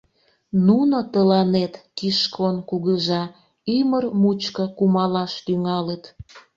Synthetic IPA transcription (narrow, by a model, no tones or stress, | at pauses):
nunot̪əlɑnet̪kiʃkʰonkuɣəʒɑ | ymərmut͡ɕkəkumɑlɑʃt̪yŋɑlət̪